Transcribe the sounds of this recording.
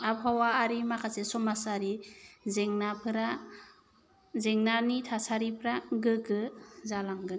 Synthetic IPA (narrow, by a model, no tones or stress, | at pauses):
abɦawaːɾimakʰasesɔmasaɾizeŋnapʰɯɾa | zeŋnanitʰasaɾipʰɾaɡɯkʰɯzalaŋɡɯ